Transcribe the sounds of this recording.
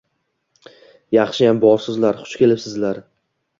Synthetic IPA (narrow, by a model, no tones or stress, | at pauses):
jɑχʃɪjambɒɾsɪzlaɾχʊ̥t͡ʃkʲʰe̞lɪpsɪzlaɾ